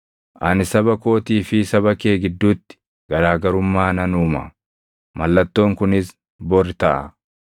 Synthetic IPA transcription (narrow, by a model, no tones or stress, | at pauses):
ʔɐnɪsɐbɐko̞ːt̪iːfɪsɐbɐke̞ːɡɪd̪ːuːt̪ːɪ̥ | ɡ̥ɐɾaːɡɐɾʊmːaːnɐnuːmɐ̰ | mɐlːɐt̪ːo̞ːŋkʊnɪs | bɔɾɪt̪ɐʔɐ̰